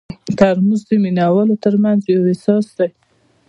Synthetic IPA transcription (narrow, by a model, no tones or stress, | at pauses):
t̪aɾmuzd̪iminawalot̪əɾmanzjawɪsɑsd̪aj